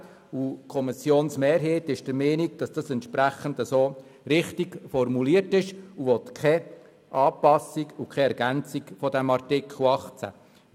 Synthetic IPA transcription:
ukʰɔmɪsjoːnsmeːɾɦeːtɪʃd̥əɾmeːnik̚d̥ɑsd̥ɑsɛnt̪ʃpɾæχəndəsoː | ɾɪχtiɡfɔrmuliəɾtɪʃuʋɔt̪kχɛ | ʔɑːpɑsikukχɛɛɾɡænt͡sikfɔdɛmɑɾtɪkʰl̩ɑχt͡sæ̰

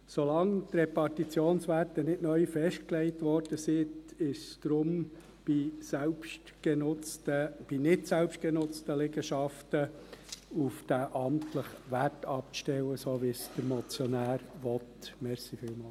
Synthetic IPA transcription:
solɑŋt̪rɛpɑɾtit͡sjoːnsʋærtənɪtnœʏfɛʃt̚klɛɪtʋɔrd̥əsɪtɪʃd̥ɾʊm | b̥isɛlpʃtɡɛnʊt͡stəb̥inɪtsɛlpʃt̚ɡ̥ɛnʊt͡stəlɛɡəʃɑftə | ufd̥æʔɑmtləχʋæɾtɑpʃtɛwəsoːʋisd̥əɾmɔt͡sjɔnæːɾʋɔt̪mɛɾsifiːlmɑːl

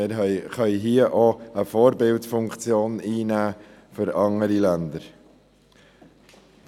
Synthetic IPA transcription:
ɪːɾɦχœʏɦiəʔoəfɔːɾbɪltfʊŋkt͡sjoːniːnæː | fʏɾɑŋəɾilænd̪əɾ

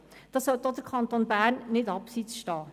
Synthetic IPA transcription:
d̥ɑsɔlt̪od̥̪əɾkʰɑnt̪oːnbæːɾnːɪdɑpsit͡sʃtɑː

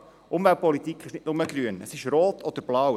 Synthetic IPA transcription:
ʔʊmvɛlt̚pɔlit̪ikχɪʃnɪtnʊməɡ̥ɾyənəsɪʃɾoːt̪ʰɔd̪əɾb̥lɑw

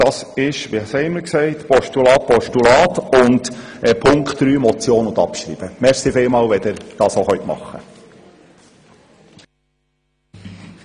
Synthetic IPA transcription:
d̥ɑsɪʃʋiɑsɛɪməɾksɛɪtpɔʃtulɑːt̚pɔʃtulɑːt̪ʊndɛpʰʊŋktɾyːmɔt͡sjoːnʊnd̪ɑ̰pʃɾḭːb̥əmɛɾsifɪlmɑːlʋɛd̪ɪɾd̥ɑːsoχœʏt̪mɑ̰χːə

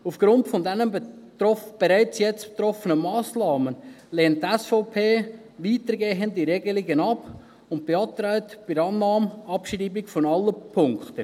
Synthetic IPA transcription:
ufɡ̥ɾʊntfɔndɛnən | ɔb̥eɾæɪt͡sjɛt͡sb̥e̥t̪ɾɔfənəmɑːsnɑːmən | leːntːɛsfɔʊpʰeː | ʋiːtəɾɡeːɦəndiɾeɡəliɡənɑp | ʊnt̚b̥eɑːt̪ɾaɪtb̥ɪɾɑːnːɑːmɑpʃriːbiɡfɔnɑlːəpʰʊŋkχtə

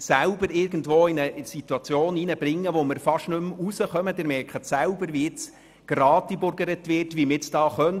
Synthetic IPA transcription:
sæʊbəɾɪɾɡən̩dʋoːɪnəsitwɑt͡sjoːninəbɾɪŋːəʋomɪɾfɑʃnɵmusəχœməd̥ɪɾmɛɾkχətsæʊbəɾʋiɪt͡s | ɡ̥ɾɑːtibʊɾɡəɾətʋɪrtʋimɪɪt͡sd̥ɑːχœn

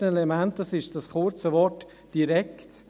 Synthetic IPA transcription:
ənelɛmænt̚d̥ɑsɪʃd̥ɑsχʊɾt͡səvɔrt | d̥iɾɛkt

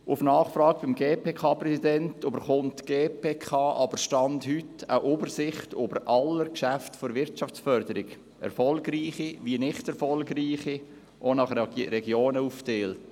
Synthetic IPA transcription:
ʔʊfnɑːχfɾɑːɡb̥ɪmɡeːpeːkʰɑːpɾɛsidɛntøbəɾχʊntɡ̥eːpʰeːkʰɑːʔɑbəɾʃtɑndhyta̰ʔobəɾsɪχtøbəɾʔɑləɾkʃæftfoɾʋɪɾtt͡ʃɑft͡sfœɾdəɾɪɡ | ʔɛ̰ɾfɔlɡriːχiʋiənɪχtɛɾfɔlɡriːχi | ʔonɑχɾɛɡjoːnəufteːlt

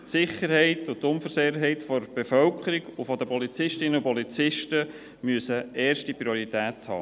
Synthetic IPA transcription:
tsɪχəɾɦɛɪtʊtʊmfəɾseəɦɛɪtfɔɾb̥efœlkʰəɾiɡʊfɔd̪əpɔlit͡sɪʃtɪnəʊpɔlit͡sɪʃtə | myəsəɛːɾʃtipɾioɾitæːthɑ̰ː

